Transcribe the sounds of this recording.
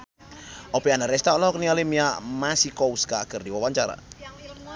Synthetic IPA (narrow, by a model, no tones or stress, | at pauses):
ʔɔpianaɾɛst̪alɔhɔknialimiamasikɔuskakərdiwawaɲt͡ʃaɾa̰